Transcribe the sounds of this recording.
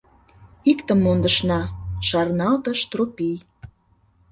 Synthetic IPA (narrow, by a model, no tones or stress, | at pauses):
ikt̪ə̆mːond̪əʃnɑʃɑrnɑlt̪əʃt̪ropij